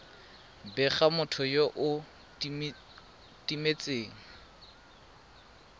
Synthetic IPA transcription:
bɛχamʊtʰʊjoʔʊ | timet͡sʼeːŋ̩

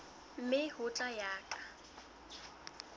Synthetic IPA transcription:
m̩mɪhʊt͡ɬʼajaːkʼḁ

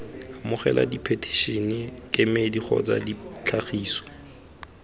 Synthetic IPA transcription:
amʊχɛlʔa̰dipʰetʰi̥ʃinɪkʼɪmediχʰɔ̰t͡sadit͡ɬʰaχiːsɔ̥

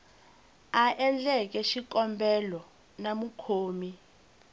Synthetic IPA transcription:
aʔɛnd͡ɮɛk̬ɛʃikʼɔmbʱɛlɔ | namukʰoːmi

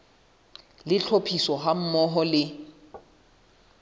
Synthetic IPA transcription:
lɪt͡ɬʰopʰisɔɦam̩mɔɦɔlɪ

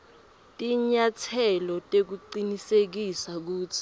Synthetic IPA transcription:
tʼiɲatʰɛlɔtʼek̬uǃinisek̬isak̬uːtʰi̥

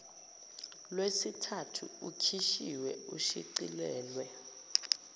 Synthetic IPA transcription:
lwesitʰatʰuukʰiʃiwɛuʃiǀilɛːlwɛ

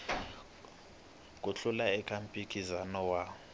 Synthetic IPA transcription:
kʼuɬulaɛkʰʼampʼikʰʼizanɔwa

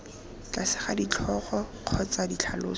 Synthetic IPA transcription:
kʼasɪ̥χadit͡ɬʰɔχɔq͡χʰɔt͡sadit͡ɬʰalo̰ːs

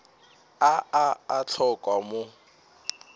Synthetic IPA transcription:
aaat͡ɬʰɔkʼwamʊ

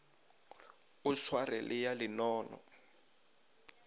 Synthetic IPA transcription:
uswarɛ̰lʔɪjalɪnɔːnɔ̰

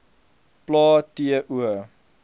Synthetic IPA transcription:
plɑːtiəʔuə

